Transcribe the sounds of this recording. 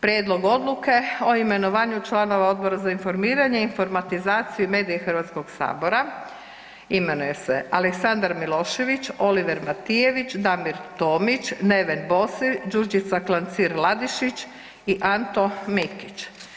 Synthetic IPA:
pɾʲjeːd̪lˠo̞ɡo̞d̪luke̞o̞ime̞noʋaːɲut͡ʃlano̞ʋao̞d̪̚bo̞ɾazainfo̞ɾmiːɾaɲeinfo̞ɾmat̪izaːt̪sijume̞ːd̪ijexr̩ʋat̪sko̞ɡsa̰ːbo̞ɾa | ime̞nuje̞se̞aleksand̪aɾmilˠo̞ːʃe̞ʋit͡ʃo̞liʋeɾmat̪ije̞ʋit͡ʃd̪amiɾt̪oːmit͡ʃne̞ʋenbo̞sid͡ʒuɾd͡ʒit̪saklant̪siɾlˠad̪iʃit͡ʃ | iʔant̪o̞mikit͡ʃ

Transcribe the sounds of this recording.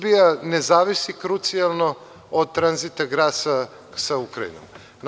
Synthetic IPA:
bijanezaːʋisikɾut̪sijalˠno̞ | od̪̚t̪ɾanzit̪aɡɾaːsa | saukɾaḭno̰m | n

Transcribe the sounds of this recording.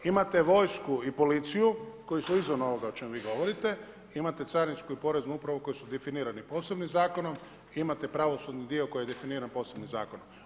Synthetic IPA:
imat̪e̞ʋo̞jskuipo̞lit̪sijuko̞jisuizʋono̞ʋo̞ɡaot͡ʃe̞muʋiːɡo̞ʋo̞ɾit̪e̞ | imat̪et̪saɾinskuipo̞ɾeznuupɾaʋo̞ko̞jisud̪efiniːɾanipo̞ːse̞bnimzaːko̞no̞m | imat̪epɾaʋo̞sud̪nid̪io̞ko̞jjee̞finiːɾanpo̞ːse̞bniza̰ːkonom

